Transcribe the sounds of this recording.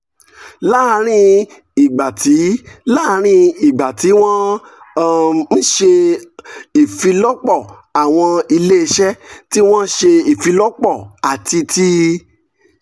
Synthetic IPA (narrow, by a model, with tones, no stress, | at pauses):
la˦˨˧ɾ̃ĩ˦˧ | i˨ɡ͡ba˨ti˨˦la˦˧ɾ̃ĩ˧i˨ɡ͡ba˨ti˨˦w̃ɔ̃˦ | n̩˦ʃe˧ | i˨fi˧lɔ˦k͡pɔ˦˨ | a˨w̃ɔ̃˧i˧le˦˧ʃɛ˦ti˦w̃ɔ̃˦ʃe˧i˨fi˧lɔ˦k͡pɔ˦˨a˨ti˧ti˦